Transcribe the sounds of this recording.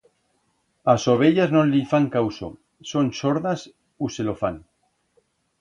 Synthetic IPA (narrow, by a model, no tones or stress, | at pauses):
asoβ̞eʎaznõnlifaŋkawso̰ | sonsoɾðas | uselofaŋ